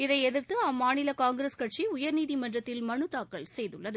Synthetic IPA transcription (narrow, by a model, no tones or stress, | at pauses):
ɪðɐɪɛðɪɾt̪ɯaːmaːnɪlɐkaːŋɡɾeːskɐʈ̚t͡ʃiʊjɐɾniːðimɐndrɐt̪ːɪlmɐɳɯt̪ːaːkːɐɭsɛjðɯɭːɐðɯ